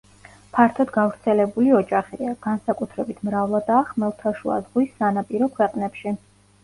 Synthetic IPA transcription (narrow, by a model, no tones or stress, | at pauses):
pʰaɾt̪ʰɔd̪ɡavɾt̪sʰɛlɛbuliɔd͡ʒʼaχiiaɡ̥ansakʼut̪ʰɾɛbit̪ʰmɾavlˠad̪aːχmɛlˠt̪ʰaʃua̰zʁwisːanapʼiɾɔkʰwɛqʼnɛpʃi